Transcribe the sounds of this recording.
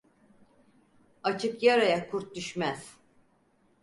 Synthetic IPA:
at͡ʃʰɯkjaɾajakʰuɾt̪̚d̪yʃmæz̥

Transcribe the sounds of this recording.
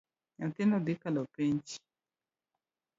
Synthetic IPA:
ɲat̪ɪnɔd̪ikalɔpeɲt͡ʃ

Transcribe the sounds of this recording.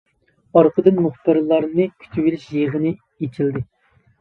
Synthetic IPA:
ɑɾqʰəd̪ɨnmʊχpɨɾlˠɑɾnɨkʲʰy̥t͡ʃ̪ʰiwilɪʃjeʁənɨ | et͡ʃʰild̪ɪ

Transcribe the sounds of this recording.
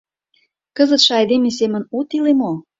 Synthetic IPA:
kəzət̪ʃĕɑjd̪emes̬emə̆nut̪ilemo

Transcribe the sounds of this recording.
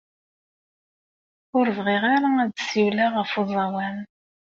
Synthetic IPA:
ʊɾvʁiʁaɾaæd̪siwlaʁəfuzˤɑwæn

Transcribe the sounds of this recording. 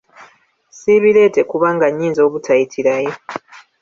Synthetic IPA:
siβile̞ːte̞kuβaŋɡaɲːiːnzo̞ːβutʰajitʰiɾaje

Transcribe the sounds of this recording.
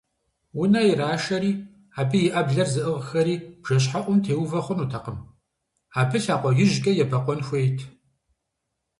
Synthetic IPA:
wʊnɐjiraːʃɐɾiː | aːbɨjɪʔɐbɮɐrzɨʔɨʁxɐɾiːb̥ʒ̥ɐɕ̬ħaʔʷʊmtʰeːwvɐχʷʊnuːtʰɐqəm | aːbɨɬaːqʷʼɔɣʲɪʒɡʼɐjɛbɐqʷʼɔnxʷeːjtʰ

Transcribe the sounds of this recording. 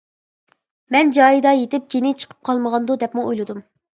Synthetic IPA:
mɛnd͡ʒɑːjid̪ɑjet̪ɪp̚d͡ʒenɪt͡ʃʰə̥qʰə̥p̚qʰɑlˠməʁɑnd̪ud̪ɛpmuojlˠɨd̪um

